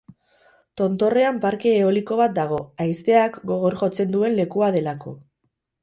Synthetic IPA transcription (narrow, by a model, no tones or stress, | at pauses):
t̪o̞nt̪o̞re̞ampaɾke̞ːo̞liko̞βat̪̚d̪aɣ̞o̞ajst̪e̞akɡo̞ɣ̞oɾʝo̞t͡se̞nd̪ue̞nle̞kuað̞e̞lako̞